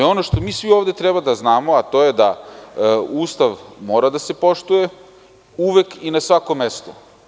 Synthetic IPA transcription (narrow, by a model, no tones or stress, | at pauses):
o̞noʃt̪o̞miːsʋioːʋd̪e̞t̪ɾebad̪aznaːmoat̪o̞jed̪a | uːst̪aʋmo̞ːɾad̪ase̞po̞ʃt̪uje | uʋe̞kinasʋako̞mest̪o